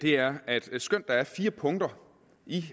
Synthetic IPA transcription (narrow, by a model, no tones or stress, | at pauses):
d̥e̝æɐæd̥sɡ̥øn̰d̥ɑ̈æɐfiːɐpʰɔ̽ŋd̥ɐ | i